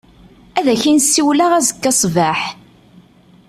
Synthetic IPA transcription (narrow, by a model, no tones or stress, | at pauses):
æðæçinsːiwlaʁæzəkːɑsˤvaħ